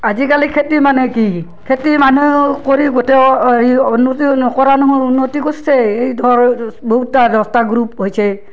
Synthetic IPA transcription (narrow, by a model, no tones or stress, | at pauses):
azikalikʰetimanɛki | kʰetimanukoɹiɡotɛiunːotinɔkɔɹanɔɦɔunːotikossɛejdʱɔɹboɦutːadɔstaɡɹup̚ɦojsɛ